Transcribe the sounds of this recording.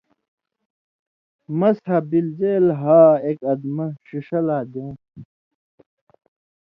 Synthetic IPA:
mɐshɐbild͡ʑeːlɦaːekɐd̪mɐɕiʂɐlaːd̪ẽː

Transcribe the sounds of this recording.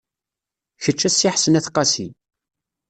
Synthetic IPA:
çət͡ʃːæsːiħsənæθqːɑsi

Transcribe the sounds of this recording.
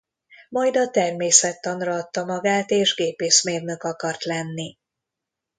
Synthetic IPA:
mɒjd̪ɒt̪ɛrmeːsɛt̪ːɒnrɒɒt̪ːɒmɒɡaːt̪eːʒɡeːpeːʃmeːrnøkɒkɒrt̪lɛnːi

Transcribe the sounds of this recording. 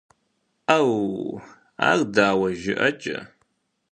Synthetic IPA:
aw | a̰ːrdaːwɐʒɪʔɐt͡ʃʼɐ̰

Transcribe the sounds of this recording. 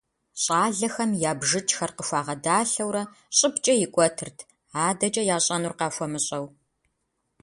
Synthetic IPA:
ɕʼɑːɮɐxɐmjaːbʒɨt͡ʃʰxɐrqəfʷaːʁɐdaːɬɐwɾɐ | ɕʼɪpt͡ʃʼɐjɪkʷʼɔtʰɨrtʰ | aːdɐt͡ʃʼɐjaːɕʼɐnurqɑːfʷɔmɨɕʼɐw

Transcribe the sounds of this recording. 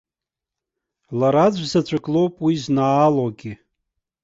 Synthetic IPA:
laɾad͡ʑʷzat͡ɕʷʰʼakʼlo̞wpʼwiznaːloɡʲi

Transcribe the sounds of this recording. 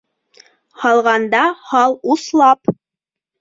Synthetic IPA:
hɑlˠʁɑnd̪ɑhɑlˠuslˠɑp

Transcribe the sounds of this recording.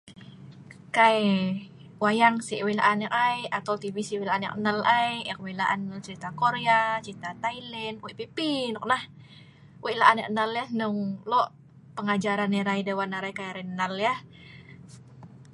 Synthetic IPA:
kae | wajaŋsiʔwela̰ʔanakajat̪awt̪ivisiwilaʔanja̰kənalajjak̚welaʔant͡ʃəɾit̪akoɾeat͡ʃit̪at̪ailɛnwepipinɔk̚nah | wela̰ʔanjakənaljahnʊŋlɔʔ | pəŋad͡ʒaɾanɛɾaidewanaɾaikajaɾɛnaljah

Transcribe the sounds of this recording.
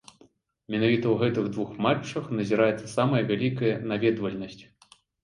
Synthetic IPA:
mʲɛnavʲit̪ɐwɣɛt̪ɨɣd̪vuxmat͡ʂːɐxnɐzʲiɾajɛt̪sɐsamɐjɐvʲalʲikɐjɐnavʲɛd̪vɐlʲnɐsʲt͡sʲ

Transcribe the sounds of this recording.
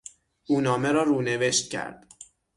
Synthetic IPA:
ʔuːnɒːme̞ɾɒːɾuːneve̞ʃt̪̚cʲʰæ̰ɾd̪̥

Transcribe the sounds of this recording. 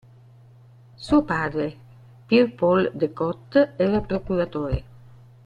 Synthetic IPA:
suopad̪ɾe | piɾpɔld̪ekɔt̪ːɛɾapɾokuɾat̪oːɾḛ

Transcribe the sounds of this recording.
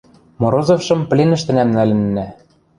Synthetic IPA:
moɾozofʃɤ̆mplʲenɘ̆ʃt̪ɘ̆næmnælɘ̆nːæ

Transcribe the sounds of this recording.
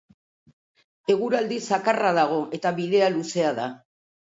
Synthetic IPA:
e̞ɣuɾald̪isakaraðaɣ̞o̞ʔe̞t̪aβiðe̞aluse̞aða̰

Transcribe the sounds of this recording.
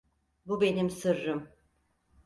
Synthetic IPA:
bube̞nimsɯɾːɯm

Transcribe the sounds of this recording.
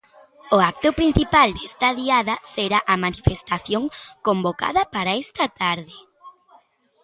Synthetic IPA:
ʊak̚t̪ʊpɾin̟θipald̪est̪ɐðiaðɐseɾaʔamanifest̪aθjoŋkomboka̰ðɐpaɾaest̪ɐt̪aɾðɪ

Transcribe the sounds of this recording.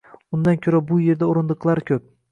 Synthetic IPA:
ʊnd̪ankʲʰɵɾabʊje̞ɾd̪aoɾɪnd̪ɨqlˠaɾɪkʲʰɵp̚

